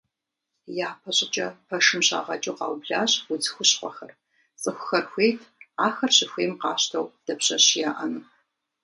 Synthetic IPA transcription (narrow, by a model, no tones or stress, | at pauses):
jaːpʰɐɕʼɪt͡ʃʼɐpʰɐʂɨmɕʼa̰ːʁɐt͡ʃʼuqɑ̰ːwbɮaːɕwʊd͡zɨxʷʊɕqʷɔ̰xɐr | t͡sʼɨxʷʊxɐrxʷeːtʰaːxɐrɕɪxʷeːmqɑːɕtʰɐwd̥ɐpɕɐɕjaːʔɐnɨ